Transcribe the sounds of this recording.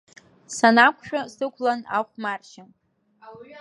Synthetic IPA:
sanakʷʰʃᶣasɨkʷʰlana̰χʷmarʃan

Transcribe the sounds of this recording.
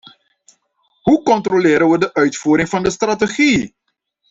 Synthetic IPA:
ɦukɔntrolɪːɾənʋədəʔœɥtfuːɾɪŋvɑndəstrateχi

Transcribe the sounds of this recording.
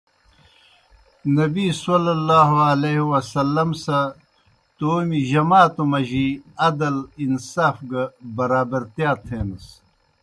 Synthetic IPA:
nɐbiːsɐlɐlːaːɦoɐleɦiwɐsɐlːɐmsɐ | t̪oːmiʑɐmaːt̪omɐʑiɐd̪ɐlinsaːfɡɐbɐɾaːbɐɾt̪jaːt̪ʰeːnɐs

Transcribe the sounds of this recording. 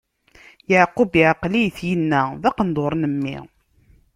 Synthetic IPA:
jaʕqubjaʕqlijθjənːæðɑqənd̪ˤoɾˤnəmːḭ

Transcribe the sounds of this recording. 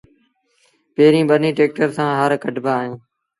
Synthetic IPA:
peːɾĩːɓənĩːʈeːk̚ʈəɾsãːɦəɾkəʈbʱaːɦijũː

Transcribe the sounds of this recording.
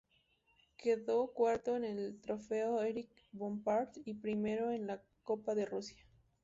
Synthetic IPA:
keðokwaɾt̪oenelt̪ɾofeoeɾik | bombaɾt̪ipɾime̞ɾoenla | kopaðerusja

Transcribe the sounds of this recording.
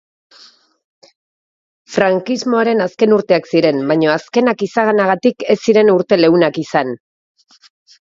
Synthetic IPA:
fɾaŋkizmo̞aɾe̞naske̞nuɾt̪e̞aksiɾe̞mbajɲo̞aske̞nakisaɣ̞anaɣ̞at̪ike̞sːiɾe̞nuɾt̪e̞le̞unakisan

